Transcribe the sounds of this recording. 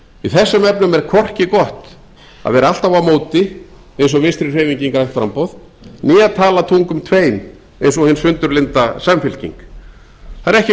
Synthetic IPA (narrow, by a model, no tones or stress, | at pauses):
iθɛsːʏmɛp̚nʏmɛɾkʰɔr̥cɪkɔht̪ | a̰ðvɛːɾaal̥t̪avamoːwt̪ɪ | ejnsɔvɪnst̪ɾir̥eːviɲciŋkɾajht̪fɾa̰mpowð | niːaðt̪ʰaːlat̪ʰuŋkʏmt̪ʰveːjn | ejnsɔhɪnsfʏnt̪ʏɾlɪnt̪asamfɪl̥cḭŋk | θaɾɛhcɪ